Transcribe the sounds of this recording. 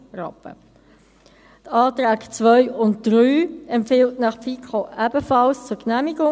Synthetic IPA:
rɑ̰pə̰ | tʰɑːtɾæːkt͡sʋœʏʊnt̚d̥ʁyːɛmpfɪltnɑχpfikχoʔæb̥əfɑlst͡sʊknæmiɡʊ

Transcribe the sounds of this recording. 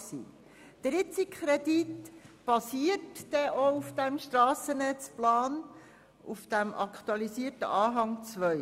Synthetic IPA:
sḭ | d̪̥ɾɪt͡sikχɾɛditb̥ɑsiːətd̥ɛʔoufd̥æmʃtɾɑːsənɛt͡splɑːn | ʔufd̥æmʔɑ̰kt̪uɑlisiːərtə̰ʔɑːɦɑŋt͡sʋœʏ

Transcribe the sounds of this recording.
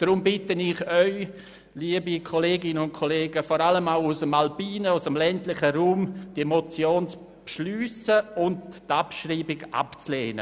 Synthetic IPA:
d̥ɾʊmbɪtənɪχœʏ | liəbikʰɔleːɡɪnənʊnt̚kʰoleːɡəfɔɾaləmaʊʊsəmalpiːnəʊsəmlɛntlɪχəɾuːmtemot͡sjoːnt͡s | pʃlyːsəʊndtapʃriːbɪɡʔa̰pt͡sleːnə̰

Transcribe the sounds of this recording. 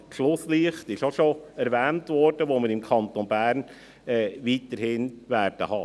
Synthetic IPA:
ʃlʊsliəχtɪʃoʃoɛɾʋɛːntʋɔɾd̥əʋoməɾɪmkʰɑnt̪onbæːɾn | ɛːʋiːtəɾhɪnʋæːɾd̥əhɑ

